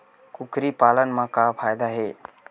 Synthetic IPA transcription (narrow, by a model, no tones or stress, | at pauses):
kukɾipaːlənmãkapʰaːjd̪aɦeː